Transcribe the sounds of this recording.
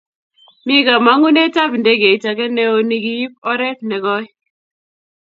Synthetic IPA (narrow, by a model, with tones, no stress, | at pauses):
mi˦ɡa˨ma˨˦ŋu˦ne˦ta˦bi˨nde˦ɡe˨t͡ʃa˨kɛ˦nɛ˦o˦ni˨ɡi˦ji˦p̚ɔ˦ɾɛ˦p̚nɛ˨ɡɔ˦j